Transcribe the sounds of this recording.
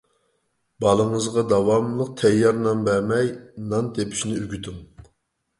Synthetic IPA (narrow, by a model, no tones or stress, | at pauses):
bɑlˠəŋəzʁɑd̪ɑwɑmlˠəq̚t̪ʰɛjːɑɾnɑnbæɾmɛjnɑnt̪ʰepʰy̥ʃnɪyɡʲyt̪ʰyŋ